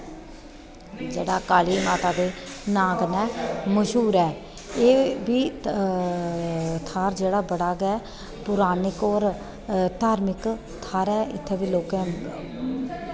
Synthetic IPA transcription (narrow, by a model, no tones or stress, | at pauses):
d͡ʒeːɽaːkaːliːmaːt̪aːɡeːnãːɡnɛːməʃuːɾɛː | eːbiː | t̪ʰaːɾd͡ʒeːɽaːbəɽaːɡɛː | pʊɾaːnɪkɔːɾ | t̪aːɾmɪk | t̪ʰaːɾɛːʔɪ̰t̪ʰːeːbiːloːkɛ̃ː